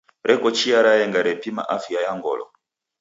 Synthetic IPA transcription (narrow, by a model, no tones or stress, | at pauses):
ɾʔɛkɔt͡ʃiaɾajɛŋɡaɾɛpima̰ʔafiajaŋɡɔ̰lɔ̰